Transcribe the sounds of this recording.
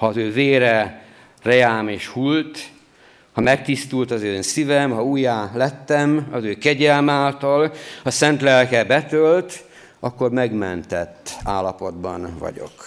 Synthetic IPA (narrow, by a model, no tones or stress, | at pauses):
hɒːzøːveːɾɛ | rɛaːmeːʃhult̪ | hɒmɛk̚t̪ist̪ult̪ɒzøːnsivɛmhɒuːjaːlɛt̪ːɛmɒzøːkɛɟɛlmaːlt̪ɒlhɒsɛnt̪lɛlkɛbɛt̪ølt̪ | ɒkːo̞rmɛɡmɛnt̪ɛt̪ːaːlːɒpo̞d̪bɒ̰nvɒ̰ɟo̞̰k